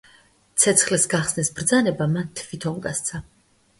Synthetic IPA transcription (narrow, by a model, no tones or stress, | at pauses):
t̪sʰɛt̪sʰχlɛsɡaχsnɛsbɾd̪zanɛbamant̪ʰvit̪ʰɔŋɡa̰st̪sʰa